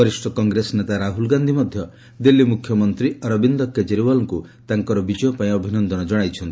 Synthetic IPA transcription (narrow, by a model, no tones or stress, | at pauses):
ɔɾisʈɔkɔŋɡɾesnet̪aɾaɦulɡand̪ʱimɔd̪ʱjɔ | d̪ilːimukʰjɔmɔnt̪ɾiɔɾɔbind̪ɔked͡ʒeɾibɔlɔŋkut̪aŋkɔɾɔbid͡ʒɔjɔpaĩɔbʱinɔnd̪ɔnɔd͡ʒɔɽ̃ajt͡ʃʰɔnt̪i̥